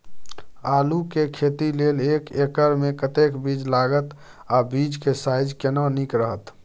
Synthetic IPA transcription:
aːlukekʰet̪ilelekekəɾmekət̪ekbid͡ʒlaɡət̪ | abid͡ʒkesajd͡ʒkenənikɾəɦət̪

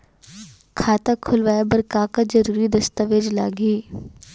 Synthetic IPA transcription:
kʰaːt̪akʰʊlʋaːebɐɾkaːkad͡ʒɐɾuːɾid̪ɐst̪əʋeːd͡ʒla̰ːɡiː

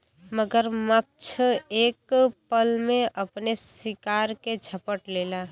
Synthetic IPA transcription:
məɡəɾmək̚t͡ʃʰekpəlmeʔəpnesikaɾked͡ʒʱəpəʈlela

